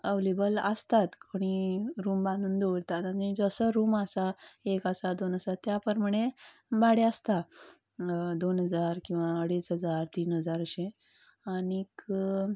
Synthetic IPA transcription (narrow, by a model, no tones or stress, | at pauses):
əʋlebələst̪at̪kʰoɽ̃iɾuːmbãnd̪uːnd̪oɽt̪at̪anid͡zəsəɾuːməsaekəsad̪onɦəsat̪ːjapəɾm̤əɳe | baɽeəst̪a | d̪onɦəd͡zaɾkĩw̃ʋaəɽisɦəd͡zaɾt̪iːnɦəd͡zaɾəɕẽ | anik